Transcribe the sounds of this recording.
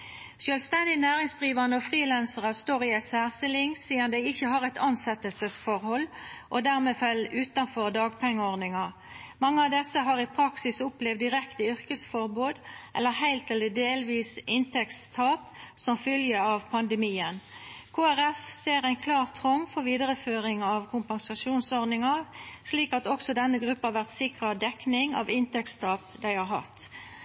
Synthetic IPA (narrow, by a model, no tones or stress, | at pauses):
sjœːlst̪ɛnd̪ɪnæːʁɪŋsd̪ʁiːʋɑʁnəɔfʁiːlænsəʁəst̪oːʁɪɛsæːʁst̪ɪlɪŋsiːənd̪æɪɪçəhɑʁɛɪt̪ɑnsɛt̪əlsəsfɔʁhɔlːʔod̪æʁmeːfɛlːʉːt̪ɑnfɔʁd̪ɑːɡpʰɛŋːəɔʁnɪŋɑ | mɑŋːəɑʋd̪ɛsːəɦɑːʁɪpʰʁɑksɪsʊplɛvd̪ɪʁɛkt̪əʏʁkəsfɔʁbuːd̪ʔɛlːəʁhæɪlt̪ɛləd̪eːlʋiːsɪnt̪ʰɛkst̪ʰɑːpsɔmfʏljəɑʋpʰɑnd̪əmiːənkʰoːæʁɛfseːʁæɪnkʰlɑːʁt̪ʰːʁɔŋːfɔʁʋiːd̪əʁəføːʁɪŋɑʋkʰʊmpɑŋsɑʃuːnsɔʁnɪŋɑʋsliːkɑt̪ɔksɔd̪ɛnːəɡʁʉpːhɑːʋæʁt̪sɪkʁɑd̪ɛknɪŋɑ̰ʋɪnt̪ɛkst̪ʰɑːpd̪æɪhɑɾhɑ̰t̪